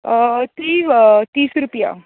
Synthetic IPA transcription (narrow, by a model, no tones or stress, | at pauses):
t̪it̪iːsɾupja̰